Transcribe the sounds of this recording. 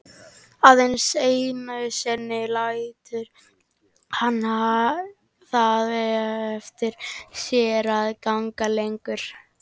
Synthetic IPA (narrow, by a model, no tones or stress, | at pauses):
aðejnsejnaʏsɛnːɪlajt̪ʏɾ | hanːa | θaðvɛaɛft̪ɪɾ̥sjɛːɾaðkaŋkalejŋkʏɾ̥